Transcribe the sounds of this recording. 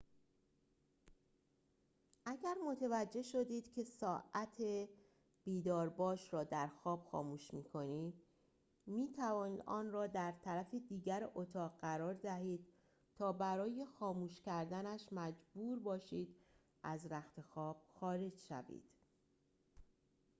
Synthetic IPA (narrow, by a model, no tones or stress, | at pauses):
ʔæɟæɾmo̞t̪ʰevæd͡ʒːe̞ʃo̞d̪iːd̪̥cʰe̞sɒːʔæt̪ʰe | b̥iːd̪ɒːɾbɒːʃɾɒːd̪æɾxɒːb̥xɒ̰ːmuːʃmiːkʰo̞niːd̪ | miːt̪ʰævɒːniːd̪ʔɒ̰ːnrɒːd̪æɾt̪ʰæɾæfed̪iːɟæɾʔot̪ʰɒːʁɢæɾɒːɾd̪æɦiːd̪̥̚ | t̪ʰɒːbæɾɒːje̞xɒːmuːʃcæɾd̪ænæʃmæd͡ʒbuːɾbɒːʃiːd̪̥ | ʔæzɾæxt̪e̞xɒːb̥̚xɒːɾe̞d͡ʒʃæ̰vḭːd̪̥